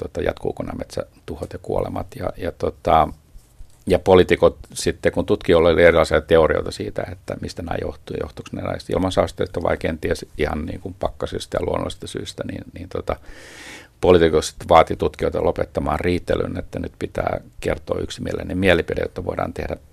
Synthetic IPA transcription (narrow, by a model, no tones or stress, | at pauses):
t̪ot̪ɑjɑ̰t̪kṵːkonːɑmet̪sæ | t̪uhot̪jɑkuolemɑt̪jɑ̰jɑt̪ot̪ɑ | jɑpolit̪ikot̪sit̪ːekunt̪ut̪kiolːolierilɑisiɑt̪eorio̰it̪ɑsiːt̪æet̪ːæmist̪ænæːjoht̪uijo̰ht̪u̥ksnelɑ̰ist̪ḭlmɑnsɑust̪eist̪ːɑʋɑ̰ikeːnt̪iesihɑnnḭːŋkumpɑkːɑsyist̪æjɑluonːo̰list̪ɑsyːst̪ænḭːnniːnt̪ot̪ɑ | polit̪ikot̪si̥t̪ːʋɑːt̪it̪ut̪kioit̪ɑlopet̪ːɑmɑːrriːt̪ːely̰net̪ːænyt̪pit̪æ̰ːkert̪o̰ːyksimiælḛnemiælipidḛtjot̪ːɑʋo̰idɑ̰ːnt̪ḛhdæ